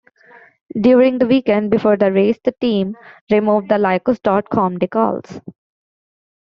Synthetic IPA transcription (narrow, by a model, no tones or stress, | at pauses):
ɖjuːɾɪ̃ŋɡd̪əʋiːkɛ̃ɳɖ̚bɪfoːɾd̪əɾeːsd̪əʈĩːmɾɪmuːʋɖ̚d̪əlaɪkosɖɔːʈ̚kʰɔ̃ːmɖɪkɔ̰ːls